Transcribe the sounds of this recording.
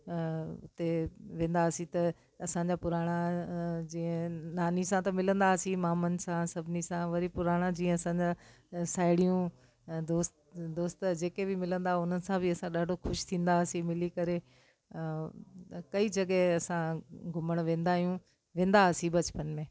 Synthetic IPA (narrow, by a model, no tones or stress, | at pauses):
ʊ̰t̪eʋẽːn̆d̪asĩt̪ɐ | ɐsãɲd͡ʑapʊɾaːɽ̃ad͡ʑiːə̃naːnisãt̪ɐmɪlə̃nd̪aːsĩmaːmənɪ̆sãsɐbʱɪnisãʋɐɾipʊɾaːɽ̃ãd͡ʑĩːə̃ɐsãɲd͡ʑa | saːɪɽijũ | d̪oːst̪d̪oːst̪d͡ʑeːkebɪmɪlə̃nd̪aɦʊn̤ənɪ̆sãbʱɪɐsãɗaːɖʱoxʰʊʃt̪ʰĩːnd̪aːsĩmɪlikɐɾe | kɐid͡ʑɐɠɛɦɐsãɡʱʊməɽ̃ʋẽːn̆d̪aːɦijũ | ʋẽːn̆d̪asĩbɐt͡ɕə̥pənmẽː